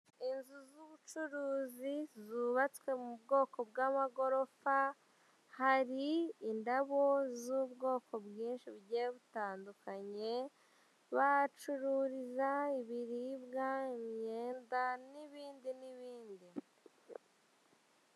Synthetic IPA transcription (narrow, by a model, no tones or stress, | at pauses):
inzuzuβut͡ʃuɾuːzizuβat͡swe̞mubɡo̞ːko̞bɡamaɡo̞ɾo̞fa | haɾiːndaβo̞zuːbɡo̞ːko̞bɡiːnʃibɟeβutaːndukaɲe̞ | βat͡ʃuɾuɾizaiβiɾiːbɡaimɲe̞ːndaniβiːndiniβiːndi